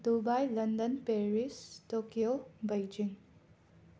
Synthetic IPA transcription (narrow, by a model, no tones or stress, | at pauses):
dubajlɐndənpeɾistokiobejd͡ʒiŋ